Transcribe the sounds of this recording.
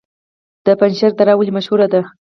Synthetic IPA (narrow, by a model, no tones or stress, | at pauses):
d̪̥əpanʃaɾt̪aɾawəlimaʃhuɾad̪a